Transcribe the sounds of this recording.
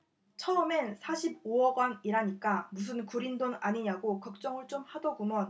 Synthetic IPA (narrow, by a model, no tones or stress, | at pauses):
t͡ɕʰʌɯmensʰaɕʰib̚oʌɡwaniɾaɲik͈amus̬ʰɯnkuɾindonaɲiɲaɡokʌk̚t͡ɕ͈ʌŋɯɭt͡ɕ͈omhadʌɡumʌn